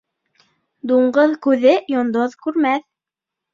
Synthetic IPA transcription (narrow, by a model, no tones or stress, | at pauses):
d̪uɴɢɤðkʉðɘjŏnd̪oðkʉɾmæθ